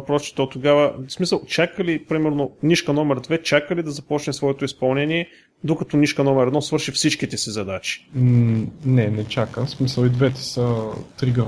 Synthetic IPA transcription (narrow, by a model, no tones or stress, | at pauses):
pɾɔsi̥t̪ot̪oɡavəsmisəlˠt͡ʃakəlipɾimɛɾnoniʃkənɔmɛɾd̪vɛt͡ʃakəlid̪ɐzɐpɔt͡ʃnɛsvɔɛt̪oispɐlˠnɛniɛ | d̪okɐt̪ɔniʃkɐnɔmɛɾɛd̪nɔsvɤɾʃifsit͡ʃkit̪ɛsizɐd̪at͡ʃi̥ | nɛnɛt͡ʃakəsmisəlˠid̪vɛt̪ɛ̥sət̪ɾiɡə